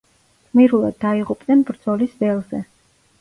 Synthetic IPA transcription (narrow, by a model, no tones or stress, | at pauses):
χmiɾulˠa̰d̪̚ːaiʁupʼnɛnbɾd̪z̥ɔlisvɛlˠzɛ